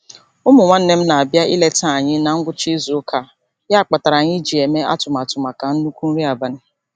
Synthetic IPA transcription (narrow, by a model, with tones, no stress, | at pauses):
ʊ˦mʊ˨ŋʷa˦n̩˦ne˦m̩˦na˨a˨bja˦ʔi˦le˦ta˦a˨ɲɪ˦na˨ŋ̩˦ɡʷʊ˦t͡ʃi˦zu˨ʊ˦kʰa˦˨ | ja˦a˨k͡pa˨ta˨ɾa˨ɲɪ˦d͡ʒi˨e˨me˦a̰˦tʊ˨ma˨tʊ˨ma˨ka˨n̩˦nu˦kʷu˦n̩˦ɾi˦a˨ba˦n̩˦